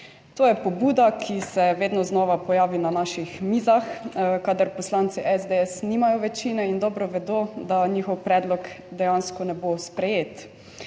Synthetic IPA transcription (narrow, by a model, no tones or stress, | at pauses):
t̪oːjɛpɔbuːd̪akʰisɛʋeːd̪nɔznɔːʋapɔjaːʋinanaʃixmiːzaxkaːd̪aɾpɔslaːnt̪siʔɛzd̪eɛsniːmajɔʋɛt͡ʃiːnɛind̪ɔːbɾɔʋɛd̪od̪aɲiːxɔwpɾɛːd̪lɔkd̪ɛjanskɔnɛbospɾɛjeːt̪